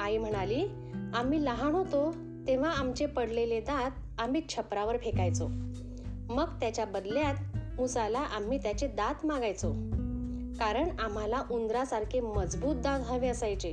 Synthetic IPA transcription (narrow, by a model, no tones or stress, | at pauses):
aim̤əɽ̃aliː | am̤iːləɦaɳɦot̪o | t̪eʋ̤aamt͡ɕepəɽleled̪at̪̚ | am̤iːt͡ɕʰəpɾaʋəɾfekajt͡so | məɡt̪jat͡ɕjabəd̪ljat̪musalaʔam̤iːt̪jat͡ɕed̪at̪maɡajt͡so | kaɾəɳam̤alaʔund̪ɾasaɾkʰeməd͡zbuːt̪̚d̪at̪ɡʱaʋeəsajt͡ɕe